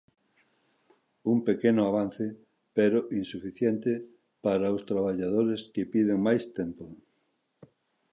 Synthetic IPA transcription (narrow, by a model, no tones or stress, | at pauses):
umpekenʊaβan̟θe | peɾoʔinsufiθjɛnt̪e | paɾaost̪ɾaβaʎaðoɾeskepiðeŋmajst̪ɛmpo